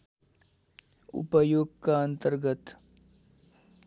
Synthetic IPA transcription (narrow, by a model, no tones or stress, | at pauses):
ʊ̰pəjoːɡ̚kaə̃nt̪əɾɡət̪